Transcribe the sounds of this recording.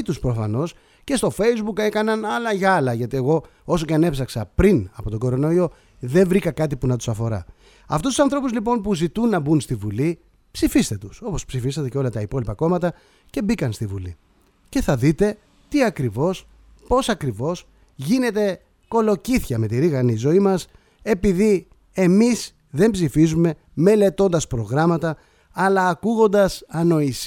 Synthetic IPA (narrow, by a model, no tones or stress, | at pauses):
t̪uspɾo̞fɐno̞s | ce̞st̪o̞fe̞jzbuke̞kɐnɐnɐlɐʝɐlɐʝɐt̪ie̞ɣo̞ | o̞soceɐne̞psɐksɐpɾinɐpo̞t̪o̞ɡo̞ɾo̞no̞io̞ | ðe̞ɱvɾikɐkɐt̪ipunɐt̪usɐfo̞ɾɐ̰ | ɐft̪ust̪u̥sɐnθɾo̞puzlipo̞npuzit̪unːɐbunst̪ivuli | psifist̪e̞t̪uso̞po̞spsifisɐt̪eceo̞lɐt̪ɐipo̞lipɐko̞mɐt̪ɐ | ce̞bikɐnst̪ivṵli | ce̞θɐðit̪e̞ | t̪iɐkɾivo̞s | po̞sɐkɾivo̞s | ʝine̞t̪e̞ | ko̞lo̞ciθçɐme̞t̪iɾiɣɐnizo̞imɐs | e̞piði | e̞mis | ðe̞mbzifizume̞ | me̞le̞t̪o̞nd̪ɐspɾo̞ɣɾɐmɐt̪ɐ | ɐlɐːkuɣo̞nd̪ɐsɐno̞is